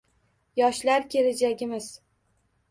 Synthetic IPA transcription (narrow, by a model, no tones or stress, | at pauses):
jɒʃlaɾkʲʰe̞led͡ʒaɡʲɪmɪz̥